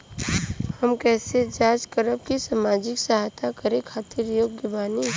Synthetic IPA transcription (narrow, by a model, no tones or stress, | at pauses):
həmkɛːsed͡ʒaːd͡ʒkəɾəb̚kisaːmaːd͡ʒɪksəɦajt̪ʰakəɾẽkʰaːt̪ɪɾjoːɡɡɪbaːni